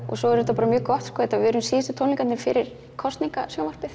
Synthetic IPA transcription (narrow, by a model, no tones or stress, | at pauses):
ɔ̰ɣsɔɛɾɛt̪apaːɾmjœːkɔht̪skɔɛt̪aɪvɛːɾʏmsiːɪst̪ʰownliŋkanɪfɪɾɪɾ̥ | kʰɔst̪niŋkasjɔːwmar̥pɪθ